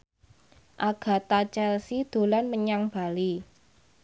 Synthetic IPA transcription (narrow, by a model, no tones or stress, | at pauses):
ʔaɡ̥ä̤t̪at͡ʃɛlsid̪̥o̤lanməɲaŋb̥a̤li